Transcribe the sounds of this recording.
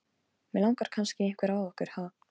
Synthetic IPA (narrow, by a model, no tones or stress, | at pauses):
mɛlãwŋkaɾ̥kʰanscɪejŋ̥kʰvɛɾawɔhkʏɾ̥ha